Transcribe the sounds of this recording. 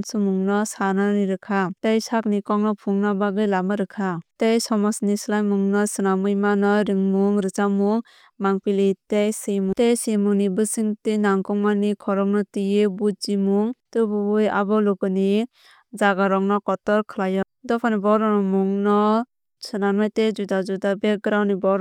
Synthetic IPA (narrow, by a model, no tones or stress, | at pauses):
nsɯmuŋnɔsanaɾiɾɯkʰatejsak̚nikɔŋnɔpʰuŋnabaɡɯjlamɯɾɯkʰatejsɔmɔsnislajmuŋnɔsɯnamɯjmanɯɾɯŋmuŋɾɯt͡ʃamuŋ | maŋpilitejsejmutejsemuŋnibɯsiŋtɯnaŋkɔŋmanikʰɔɾɔŋnɔtijɯbut̚zimuŋtɯbubɯja̰bɔlukɯni | d͡ʒaɡaɾɔŋnɔkɔtɔɾkʰɯlajɔ | dɔpʰanibɔɾɔnɔmuŋnɔ | sɯnanajtezudazudabeɡɾawnibɔɾ